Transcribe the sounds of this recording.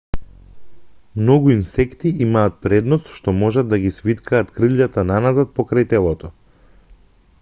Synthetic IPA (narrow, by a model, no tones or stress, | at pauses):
mnɔɡuinsɛkt̪iʔimaːt̪̚pɾɛd̪nɔst̪ʃt̪ɔmɔʒad̪ːaɡisvit̪kʰaːt̪kɾɨʎat̪ananazat̪̚pɔkɾajt̪ɛlˠɔt̪ɔ